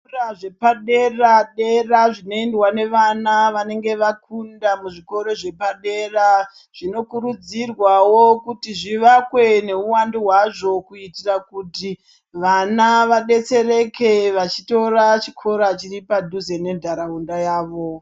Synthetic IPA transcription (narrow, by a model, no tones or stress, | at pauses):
raʐe̞paɗe̞raɗeraʐino̞endwane̞ʋanaʋane̞ŋɡe̞ʋakundamuʐiko̞ɾo̞ʐe̞paɗe̞ra | ʐ̥ino̞kuɾud͡zirwawo̞kutiʐiʋakwe̞ne̞uwandiɦwaʐo̞kuitirakuti | ʋanaʋaɗe̞t͡se̞re̞ke̞ʋat͡ʃito̞ɾat͡ʃi̥kʰo̞ɾat͡ʃiripadʱuze̞ne̞ndʱaɾaundajaːʋo̞